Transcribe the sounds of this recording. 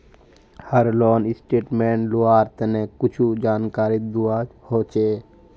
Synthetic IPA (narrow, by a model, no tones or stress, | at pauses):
həɾloːnɪsʈeːʈmẽːɳluaːɾt̪nekʊt͡ʃʰud͡ʒaːnkaːɾɪt̪̚d̪uaːhoːt͡ʃeː